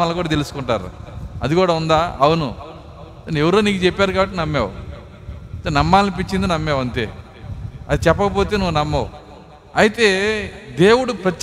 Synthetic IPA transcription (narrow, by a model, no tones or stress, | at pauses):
ɐlːɐkuːɽaːt̪e̞lusu̥kuɳʈa̰ːɾṵɐd̪ikuːɽaːund̪aːɐwunu | newuɾoːniːkit͡ʃepːaːɾkaːbɐʈːinɐmːeːw | t̪ɐnɐmːaːlːip̬it͡ʃːind̪inɐmːeːwɐnt̪ḛ | ɐd̪it͡ʃɛpːɐkɐp̬o̞ːt̪eːnuʋːnɐmːɐ | ɐjit̪e̞ːd̪e̞ːwuɽupɾɐt̪